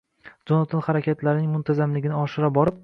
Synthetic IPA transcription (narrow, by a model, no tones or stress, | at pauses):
d͡ʒonat̪ʰɒnχaɾakʲat̪ʰlaɾɪnɪŋmʊnt̪ʰazamlɪɡʲɪnɪɒʃɪɾabɒɾɪp̚